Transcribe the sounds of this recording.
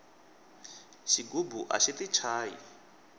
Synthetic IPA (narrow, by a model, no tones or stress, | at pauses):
ʃiɡubuʔa̰ʃitit͡ʃʰaːjḭ